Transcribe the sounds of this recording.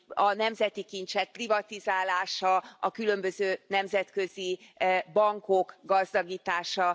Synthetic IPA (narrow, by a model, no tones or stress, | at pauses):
ɒnɛmzɛt̪ikint͡ʃɛk̪̚privɒt̪izaːlaːʃɒɒkylø̞mbøzøːnɛmzɛt̪kø̞zibɒŋkokɡɒzd̪ɒɡiːt̪aːʃɒ